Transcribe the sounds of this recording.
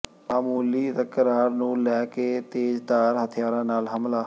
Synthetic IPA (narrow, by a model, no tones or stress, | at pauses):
maːmuːliːt̪əkəɾaːɾnũːlɛːkeːt̪eːd͡ʒd̪aːɾɦət̪ʰɪjaːɾãːnaːlɦəmlaː